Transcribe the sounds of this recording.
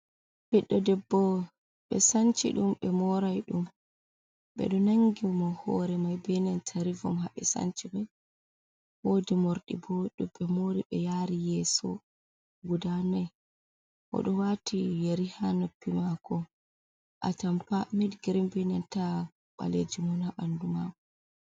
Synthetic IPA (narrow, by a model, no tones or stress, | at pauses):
b̥ɛɗːɔdɛbːɔ | ɓɛsant͡ʃḭɗumɓɛmɔɾajɗum | ɓɛ̰ɗɔnaŋɡimɔhɔ̰ɾɛmajbɛnɛntʰaɾivɔmɦaɓɛsa̰nt͡ʃimaj | wodimoɾɗḭboɗuɓɛmoɾiɓɛjaɾijɛsɔ̰ | ɡudanaj | ʔɔ̰ɗɔwatʰijeɾihanopːimakɔ | ʔatampamidɡiɾimbɛnɛnta | ɓa̰led͡ʒimɔnhaɓandumakɔ